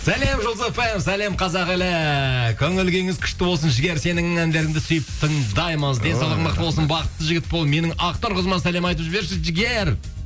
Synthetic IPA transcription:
sæle̞mʒolˠzefemsæle̞mqʰɑzɑqɪlɪkʲʰɵŋɪlɡʲeŋɪzkʲʰʏ̥ʃt̪ɪwo̞lˠsənʒɪɡʲe̞ɾse̞nɪŋɪŋænd̪e̞ɾɪŋd̪ɪsʏjɪp̚t̪ʰəŋd̪ɑjməzd̪e̞nsɑwlˠəqmɑqt̪əwo̞lsənbɑqət̪ːəʒɪɡʲɪt̪̚bo̞lˠd̪me̞nɪŋɑqt̪ɑɾqʰəzmɑnsæle̞mɑjt̪əbʒbe̞ɾʃɪʒɪɡʲeɾ

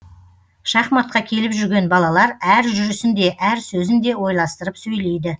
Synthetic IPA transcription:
ʃɑχmɑt̪̚qɑkʲʰe̞lɪpʒʏɾɡʲe̞nbɑlˠɑlˠɑɾæɾʒʏɾʏsɪnd̪e̞ʔæɾsɵzɪnd̪e̞wo̞jlˠɑst̪əɾəpsɵjle̞jd̪ɪ

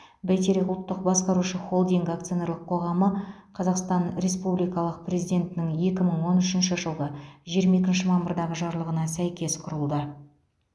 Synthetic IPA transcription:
bæjt̪eɾekʊlˠt̪ːəq̚bɑsqɑɾuʃəχo̞lˠd̪iŋɡak̚t̪sɨjo̞ne̞ɾlˠəqqʰo̞ʁɑmə | qʰɑzɑqst̪ɑnɾe̞spublijkɑlˠəq̚prʲezijd̪ʲe̞nt̪ɪnɪŋje̞kʲɪməɴwo̞nʏʃɪnʃɪʒəlˠʁəʒijɾmɑjekʲɪnʃɪmɑmbəɾd̪ɑʁəʒɑɾlˠəʁənɑsæjkʲe̞sqʰʊɾəlˠd̪ə

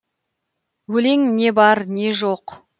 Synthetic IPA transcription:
wɵle̞ŋne̞bɑɾne̞ʒo̞q

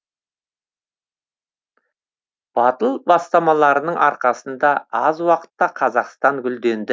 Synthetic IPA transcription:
b̥ɑt̪əlˠbɑst̪ɑmɑlˠɑɾənəɴʔɑɾqɑsənd̪ɑɑzwɑqə̥t̪ːɑqʰɑzɑqst̪ɑŋɡʲʏld̪e̞nd̪ɪ

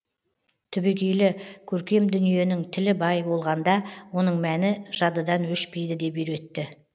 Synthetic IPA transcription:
t̪ʰʏbe̞kʲe̞jlɪkʲʰɵɾkʲe̞md̪ʏnije̞nɪŋt̪ʰɪlɪbɑjbo̞lˠʁɑnd̪ɑwo̞nəɴmænɪʒ̥ɑd̪əd̪ɑnwɵʃpe̞jd̪ɪd̪e̞peɾwe̞t̪ːɪ

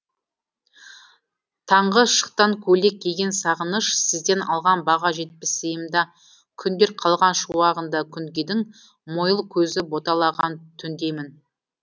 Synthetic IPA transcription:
t̪ʰɑɴʁəʃə̥q̚t̪ɑŋkʲʰɵle̞k̚ʲʰːe̞ɡʲe̞nsɑʁənəʃsɪzd̪e̞nɑ̰lˠʁɑnbɑʁɑʒe̞t̪̚pɪsəjəmd̪ɑ | kʲʰʏnd̪e̞ɾqʰɑlˠʁɑnʃuwɑʁənd̪ɑkʲʰʏŋɡʲed̪ɪŋ | mo̞jəlˠkʲʰɵzɪbo̞t̪ɑlˠɑʁɑnt̪ʰʏnd̪e̞mɪn

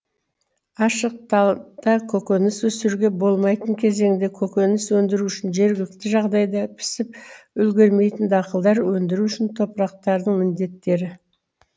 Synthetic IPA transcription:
ɑʃəq̚t̪ɑd̪̥ɑkʲʰɵkʲønɪswɵsɪɾɡʲe̞bo̞lˠmɑjt̪əɴkʲʰe̞ze̞ŋnd̪e̞kʲʰɵkʲønɪswɵnd̪ɪɾuʏʃɪnʒe̞ɾɡʲɪlɪk̚t̪ɪʒɑʁd̪ɑjd̪ɑpʰɪ̥sɪpʏlɡʲe̞ɾme̞jt̪ɪnd̪ɑqəlˠd̪ɑɾwɵnd̪ɪɾuʏʃɪnt̪ʰo̞pɾɑq̚t̪ɑɾd̪əɴmɪnd̪e̞t̪ːe̞ɾɪ

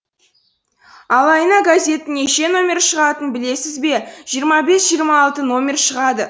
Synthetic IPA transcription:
ɑlˠɑjənɑɡazʲe̞t̪ɪneʃe̞no̞mʲe̞ɾʃəʁɑt̪ənbɪle̞sɪzbe̞ʒ̥ijəɾmɑbe̞sʒ̥ijəɾmɑːlˠt̪əno̞mʲe̞rʃəʁɑd̪ə

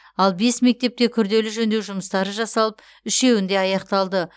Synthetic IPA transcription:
ɑlˠbe̞sme̞k̚t̪e̞p̚t̪e̞kʲʰʏɾd̪e̞lɪʒɵnd̪e̞wʒʊməst̪ɑɾəʒɑsɑlˠəp | ʏʃe̞wɪnd̪e̞ɑjɑqt̪ɑlˠd̪ə

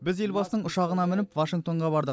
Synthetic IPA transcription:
bɪze̞lbɑsənəɴʊʃɑʁənɑmɪnɪpvaʃiŋk̚t̪o̞ɴʁɑbɑɾd̪ə

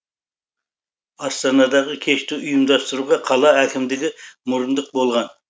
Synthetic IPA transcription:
ɑst̪ɑnɑd̪ɑʁəkʲʰeʃt̪ɪʊjumd̪ɑst̪ɨɾuʁɑqʰɑlˠɑɦækʲɪmd̪ɪɡʲɪmʊɾɨnd̪əq̚bolˠʁɑn

